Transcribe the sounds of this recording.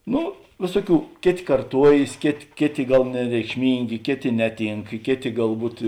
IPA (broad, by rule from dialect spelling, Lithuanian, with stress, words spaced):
ˈnʊ ˈʋʲeːsuɔˌkʲuː ˈkʲeːˌtʲeː kɐrˈtuɔjeːs ˈkʲeːˌtʲeː ˈkʲeːˌtʲeː ˈɡɐlˠ nʲɛrʲɛɪkʃʲˈmʲiːŋʲɡʲeː ˈkʲeːˌtʲeː ˈnʲæːˌtʲiːŋk ˈkʲeːˌtʲeː ɡɐlˠˈbuːt